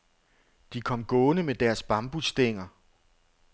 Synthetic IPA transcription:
d̥ikʰɒ̽m̰ɡ̥ɔ̽ːnəmed̥æɐsb̥ɑ̈mb̥usd̥e̝ŋ̰ɐ

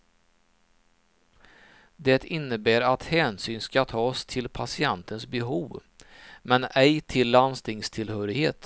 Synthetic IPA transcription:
d̪ɛt̪ɪnːəbæːɾat̪hɛːnsyːnskat̪ʰɑːst̪ʰɪlpʰasɪɛnt̪ʰənsbɛɦuːv | mɛnɛjt̪ʰɪlːanst̪ɪŋst̪ʰɪlhœːɾɪheːt̪

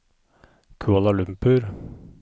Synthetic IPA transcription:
kʰʉɑlɑlʉmpʉɾ

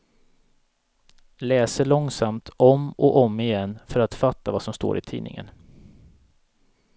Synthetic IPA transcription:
lɛːsəɭɔŋsamt̪ʰʔɔmɔʔɔmːɪjɛnːfœɾat̪fat̪ːavasɔmst̪o̰ːɾɪt̪ʰḭːnɪ̰ŋə̰n

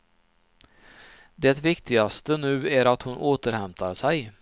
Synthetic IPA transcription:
d̪ɛt̪vɪkt̪ɪɡast̪ənʉ̟ːæɾat̪hʊnʔoːt̪əɾhɛmt̪ʰaɾʂæɪ

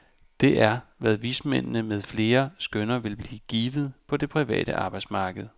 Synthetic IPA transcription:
d̥e̝ʔæɐʋæð̞ˠʋismen̰nəmeð̞ˠfle̝ːɐsɡ̥ønɐʋe̝lb̥liːɡ̥iːʋð̞̩ˠpʰɒ̽d̥e̝pʰʁiʋɛ̰ːd̥ə̰ʔɑ̈ːb̥ɑɪd̥smɑ̈ːɡ̥əð̩ˠ

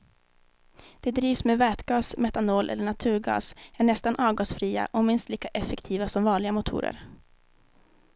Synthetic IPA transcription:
d̪̥ɛd̪ɾiːvsmevɛːt̪ɡɑːsmɛt̪anoːlʔɛ̰lːəɳat̪ʰʉ̟ːɾɡɑ̰ːsæɳɛst̪anʔɑːvɡɑːsfɾiːa̰ʔɔmɪnst̪liːkaʔɛfɛkt̪ʰiːvasɔmvɑːɳɭɪɡamʊt̪ʰṵːɾə̰ɾ

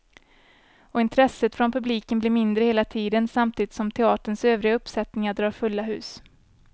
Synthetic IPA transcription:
ɔɪnt̪ʰɾɛsːət̪fɾɔnpʰɵbliːkənblɪɾmɪnd̪ɾəheːlat̪ʰiːd̪ənsamt̪ʰiːd̪ɪt̪sɔmt̪ʰɛɑːʈəɳsøːvɾɪɡaɵpːsɛt̪nɪŋaɖɾɑːɾfɵlːaɦʉ̟̰ːs

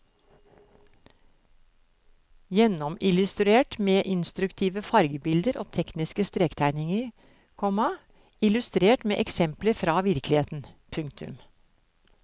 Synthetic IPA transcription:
jɛnɔmɪlʉst̪ɾʉeːʈmeːʔɪnst̪ɾʉkt̪ʰiːʋəfɑɾɡəbɪld̪əɾʔo̰ːt̪ʰɛknɪskəst̪ɾeːkt̪ʰæɪnɪŋəɾ | kʰɔmɑ | ɪlʉst̪ɾeːʈmḛːʔɛksɛmpləɾfɾɑːʋɪɾklɪheːt̪n̩pʰʉŋkt̪ʰʉ̰m

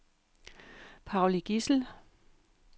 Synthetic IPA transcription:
pʰɑ̈ʊliɡ̥isl̩

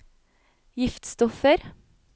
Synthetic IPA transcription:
jɪft̪st̪ɔfəɾ

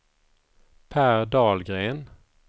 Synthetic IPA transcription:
pʰæːɾɖɑːlɡɾeːn

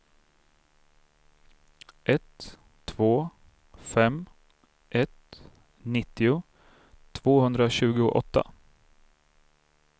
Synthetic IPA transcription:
ʔɛt̪ʰː | voː | fɛm | ʔɛt̪ | nɪt̪ːɪʊ | t̪ʰːvoːhɵnd̪ɾaɕʉ̟ːɡʊʔɔt̪ʰːa̰

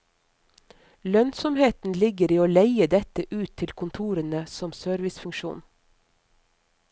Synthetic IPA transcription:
lœnsɔmheːt̪n̩lɪɡəɾiːoːleɪəd̪ɛt̪əʔʉːt̪ʰːɪlkʰʊnt̪ʰuːɾənəsɔmsøːɾʋɪsfʉŋʃṵːn

